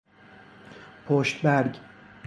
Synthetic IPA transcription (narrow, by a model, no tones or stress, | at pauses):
pʰoʃt̪bæɾɟʲ